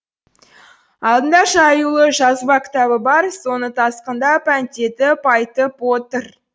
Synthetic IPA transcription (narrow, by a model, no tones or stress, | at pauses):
ɑlˠd̪ənd̪ɑʃɑːjulˠəʒɑzbɑkʲʰɪ̥t̪ɑβəbɑɾso̞nət̪ʰɑsqənd̪ɑpʰænt̪e̞t̪ɪpʰɑjt̪əpwot̪əɾ